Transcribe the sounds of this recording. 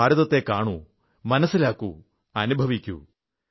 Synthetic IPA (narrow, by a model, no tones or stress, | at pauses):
aːɾɐðɐt̪ːe̞kːaːɳu | mɐnɐsːilaːkːṵ | ɐnubʱɐʋikʲːṵ